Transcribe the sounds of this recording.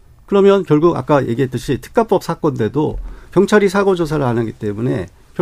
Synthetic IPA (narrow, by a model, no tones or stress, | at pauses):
kɯɾʌmjʌnkjʌɭɡuɡa̰k͈ajʔe̞ɡiɦe̞t͈ɯɕʰitʰɯ̥k͈̚ap͈ʌp̚s͈ʰak͈ʌnde̞dokjʌŋt͡ɕʰaɾis̬ʰaɡod͡ʑosʰaɾɯɭanaɡit͈e̞mune̞̰ | kjʌ